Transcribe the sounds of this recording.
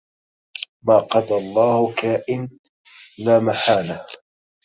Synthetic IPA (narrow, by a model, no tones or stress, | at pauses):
maːqɑd̪alˤːɑːhʊkaːʔɪn | laːmaħaːlah